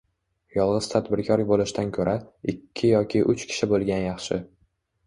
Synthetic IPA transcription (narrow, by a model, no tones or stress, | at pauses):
jɒlˠʁɨz̥t̪ʰad̪bɪɾkʰɒɾbolɪʃɪt̪ankʰɵɾʔaɪkʲʰːɪjɒkʲʰɪʔʊt͡ʃkʲʰɪ̥ʃɪbolˠɡʲanjɑχʃɪ